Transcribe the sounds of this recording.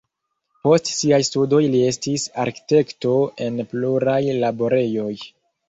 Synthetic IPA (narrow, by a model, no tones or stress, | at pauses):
po̞stsiajstudo̞jlie̞stisa̰ɾki̥te̞kto̞e̞npluɾajlaboɾe̞jo̞j